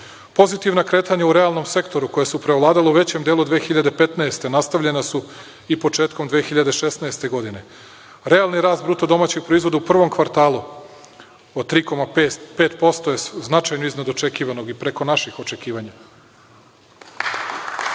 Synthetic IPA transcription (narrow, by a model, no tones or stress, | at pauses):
po̞zit̪iʋnakɾe̞ːt̪aɲauɾe̞alˠno̞mse̞kt̪o̞ɾuko̞jesupɾeolˠaːd̪aleuʋe̞t͡ɕe̞md̪e̞ːlˠud̪ʋeːxiʎad̪e̞pe̞t̪naest̪e̞nast̪aʋʎe̞nasu | ipo̞t͡ʃe̞ːt̪ko̞md̪ʋexiʎad̪e̞ʃe̞snaest̪e̞ɡo̞d̪ine̞ | ɾe̞alˠniɾaːst̪̚bɾut̪od̪o̞maːt͡ɕeɡ̚pɾo̞izʋo̞d̪aupr̩ʋo̞mkʋaɾt̪aːlˠu | od̪t̪ɾiːko̞mapeːt̪po̞st̪o̞jesznat͡ʃajnoiznad̪o̞t͡ʃe̞kiːʋano̞ɡipɾe̞ko̞naʃixo̞t͡ʃe̞kiːʋaɲa